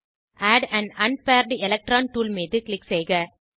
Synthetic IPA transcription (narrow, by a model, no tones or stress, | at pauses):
ʔaːɖæ̃ɳɐnpaːɾɖɛlɛk̚ʈɾaːnʈuːlmiːðɯklɪksɛjɣɐ